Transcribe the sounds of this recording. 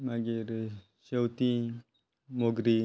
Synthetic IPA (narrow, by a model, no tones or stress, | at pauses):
maɡiɾ | ʃewt̪i | moɡɾi